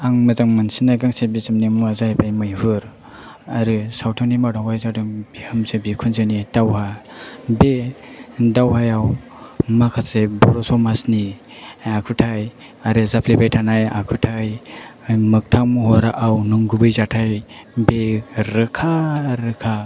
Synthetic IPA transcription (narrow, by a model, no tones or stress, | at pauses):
aŋmɯzaŋmansinajɡaŋsebizɯmnimuazajbajmɯjɦɯɾ | aɾɯsawtʰɔnimadawajzadɯŋbihɯmsebikʰunzɯnitawhabe | dawɦajaw | makʰasebɔɾɔsɔwmasni | akʰɯtʰaj | aɾɯzapʰlepajtʰanaja̰kʰɯtʰaj | mɯk̚tʰaŋmuɦɔɾaʔawnuŋɡubɯjzatʰaj | beɾɯkʰaɾɯkʰa